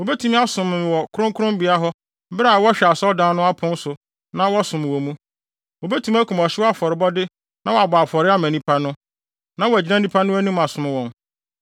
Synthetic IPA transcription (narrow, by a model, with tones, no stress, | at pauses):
wo˨be˦tʰũ˨˦m˦a˦sʊ̃˨m˨wɔ˨kʰʊ˦ɾʊ̃˦ŋkʰʊ˦ʊ̃˦mbi˨a˦ɦɔ˦ | ba˦˨wɔ˦ɕᶣɛ˨a˨sɔ˦ldã˦nʊ̃˦a˦pʰʊ̃˦n̩˦sʊ˨ | nã˦wɔ˦sʊ̃˨m̃˨wɔ˨mũ˦ | wo˨be˦tʰũ˨˦m˦æ˦kʰũ˨m˨ɔ˨ɕɪ˦wɔ˦a˦fɔ˨ɾɪ˨bɔ˦dɪ˦ | nã˦wɔ˨a˨baː˨fɔ˨ɾɪ˦a˦mæ̃˨nĩ˦pʰa˦nʊ̃˦ | nã˦wɔ˨æ˨d͡ʑi˨˦nã˦nĩ˦pʰa˦nʊ̃˦æ˦nũ˦m˨a˨sʊ̃˨mɪ̃˦wɔ̃˨n